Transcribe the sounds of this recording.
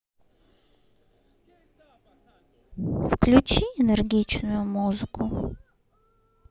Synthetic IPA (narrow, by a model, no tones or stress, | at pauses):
fklʲʊt͡ɕiɪnerɡʲit͡ɕnʊjʊmuzɨkʊ